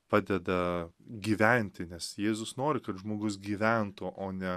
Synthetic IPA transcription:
pɑːd̪ʲɛd̪ɐɡʲiːʋʲɛnʲt̪ʲɪnʲɛsjeːzʊsnoːɾʲɪkɐt̪ʒmoːɡʊs̬ɡʲiːʋʲænt̪ʊʔoːnʲɛ

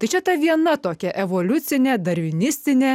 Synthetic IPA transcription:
t̪ɐɪt͡ʃʲɛt̪ɐʋʲiɛnɐt̪oːkʲɛʔɛʋoːlʲʊt̪sʲɪnʲeːd̪ɐɾʲʋʲɪnʲɪsʲt̪ʲɪnʲe

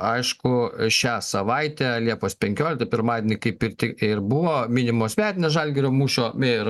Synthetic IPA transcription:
ɐɪʃkʊʃʲæːsɐʋɐɪt̪ʲæːlʲiɛpoːspʲɛŋʲkʲoːlʲɪkt̪ɐpʲɪɾmɑːd̪ʲeːnʲɪkɐɪpɪrt̪ʲɪɪrbʊʋoːmʲɪnʲɪmoːsmʲæːt̪ʲɪnʲɛsʒɐlʲɡʲɛɾʲoːmuːʃʲoːeɾ

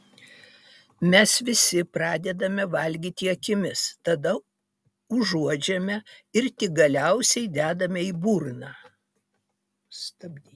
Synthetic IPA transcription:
mʲɛsʋʲɪsʲɪpɾɑːd̪ʲɛd̪ɐmʲɛʋɐlʲɡʲiːt̪ʲɪɐkʲɪmʲɪst̪ɐd̪ɐ | ʊʒuɔd͡ʒʲɛmʲɛɪɾt̪ʲɪɡɐlʲɛʊsʲɛɪd̪ʲæːd̪ɐmʲɛiːbuːɾnɑ | st̪ɐbʲd̪ʲiː

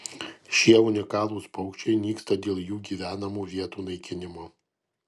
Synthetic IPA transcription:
ʃʲiɛʊnʲɪkɑːlˠuːspɔʊkt͡ʃʲɛɪnʲiːkst̪ɐd̪ʲeːlˠjuːɡʲiːʋʲæːnɐmuːʋʲiɛt̪uːnɐɪkʲɪnʲɪmoː

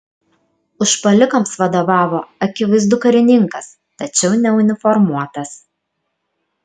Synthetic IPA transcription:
ʊʃpɐlʲɪkɐmsʋɐd̪oːʋɑːʋoːɐkʲɪʋɐɪzd̪ʊkɐɾʲɪnʲɪŋkɐs | t̪ɐt͡ʃʲɛʊnʲɛʊnʲɪfɔɾmuɔt̪ɐs

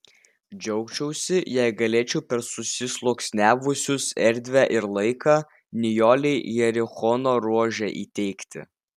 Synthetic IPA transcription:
d͡ʒʲɛʊkt͡ʃʲɛʊsʲɪjɛɪɡɐlʲeːt͡ʃʲɛʊpʲɛɾsʊsʲɪslˠoːksʲnʲæːʋʊsʲʊsɛɾʲd̪ʲʋʲæːʔɪɾlˠɐɪkɑː | nʲɪjoːlʲɛɪjɛɾʲɪxɔnoːɾuɔʒʲɛʔḭːt̪ʲɛɪkt̪ʲɪ̰

